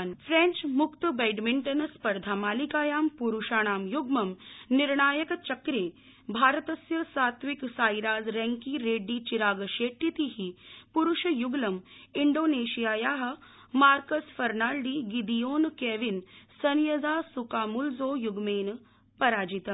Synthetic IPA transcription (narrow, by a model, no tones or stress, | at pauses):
nfɾẽɲt͡ʃmukt̪bejɖmiɳʈɐnɐspɐɾd̪ʱaːmaːlikaːjaːmpuɾuʃaːɽ̃aːmjuɡmɐmniɾɳaːjɐkt͡ʃɐkɾeː | bʱaːɾət̪ɐsjɐsaːt̪ʋiksaːjɾaːzɾɛ̃ŋkiːɾeːɖːiːt͡ʃiɾaːɡɐʃeːʈːit̪iɦipuɾuʃɐjuɡlɐmiɳɖoːneːʃijaːjaːɦɐ̆ | maːɾkəsfɐɾnaːɭɖiːɡid̪ijoːnkeːʋinsɐnjɐd͡zaːsukaːmulzoːjuɡmeːn | pɐɾaːd͡ʒit̪